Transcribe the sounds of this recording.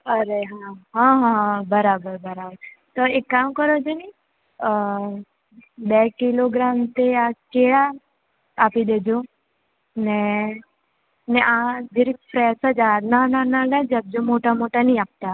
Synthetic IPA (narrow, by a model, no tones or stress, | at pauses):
əɾeɦãɦãɦãbəɾaːbəɾbɐɾaːbəɾt̪ɔekːaːmkəɾod͡ʒoni | bɛkiloɡɾaːmt̪eat͡ʃeːɭa | aːpid̪eːd͡ʒo | ne | nɛʔãd͡ʒiɾipɾɛsad͡ʒaːnanãnaɡad͡ʒɐb̚d͡ʒomoʈamoʈanĩap̚t̪a